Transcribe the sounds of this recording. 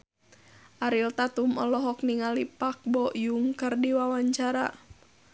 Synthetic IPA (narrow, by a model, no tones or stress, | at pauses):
ʔaɾilt̪at̪umɔlɔɦɔk̚niŋalipak̚bɔjuŋkɨrdiwawaɲt͡ʃaɾa̰